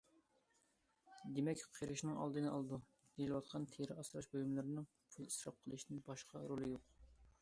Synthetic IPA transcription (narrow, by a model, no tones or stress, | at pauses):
d̪emɛkʲqʰeɾɪʃnɪŋɑ̰lˠd̪ɨnɨɑlˠd̪u | d̪̥ejilɨwɑt̪̚qʰɑnt̪ʰeɾɪɑsɾɑʃbojumlˠɨɾɨnɨŋ | pʰʊlˠi̥sɾɑ̰p̚qʰəlˠɨʃnɪnbɑʃqʰɑɾolˠɨjoq̚